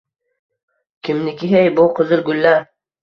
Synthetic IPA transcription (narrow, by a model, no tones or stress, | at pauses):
kʲʰɪmnɪkʲɪɦejbʊqʰʊzɪlɡʊlːa